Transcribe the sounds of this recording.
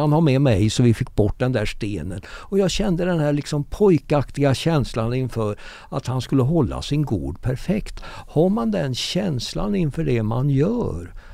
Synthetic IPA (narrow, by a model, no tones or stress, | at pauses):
anhaɾmɛmɛjsɔvɪfɪkːbɔʈːd̪ɛnd̪æːʂt̪eːnənɔjɑːɡɕɛnd̪əd̪ɛnh̪æːɭɪksɔmpʰɔjkakt̪ɪɡaɕɛnslanɪnfœɾ | at̪hanskɵlːəɦɔlːa̰sɪnɡṵːd̪pʰæɾfɛkt̪haɾmand̪ɛnɕɛnsla̰nɪnfœɖɛma̰njœːɾ